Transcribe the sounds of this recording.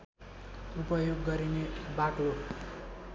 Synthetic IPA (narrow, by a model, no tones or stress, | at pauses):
upʌjoɡːʌɾinebaʈo